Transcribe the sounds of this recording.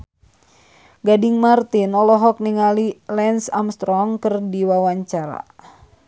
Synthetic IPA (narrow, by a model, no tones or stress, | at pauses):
ɡadiŋmart̪inɔlɔɦɔk̚niŋalilɛnsamst̪ɾɔŋkɨrdiwawaɲt͡ʃaɾa̰